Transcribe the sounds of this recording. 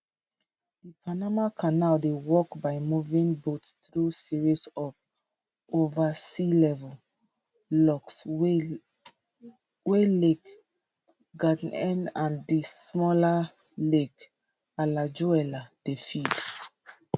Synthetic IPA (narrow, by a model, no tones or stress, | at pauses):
d̥ipʰanamakʰanaldewɔkbaɪmuvĩŋbottɹusiɹisɔv | ovasilɛvəl | lɔks | welek | ɡadnɛ̃nãndismɔla | lek | alad͡ʒuɛlad̥efid